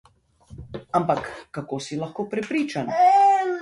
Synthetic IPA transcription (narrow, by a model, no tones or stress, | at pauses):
ampakːakoːsilaxkoːpɾɛpɾiːt͡ʃan